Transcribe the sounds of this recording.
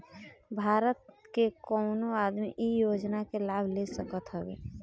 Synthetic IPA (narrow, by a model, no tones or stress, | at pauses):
bʱaːɾət̪̚kekɔːnoaːd̪mḭʔijoːd͡ʒnakelaːbʱlesəkət̪ɦəbḛː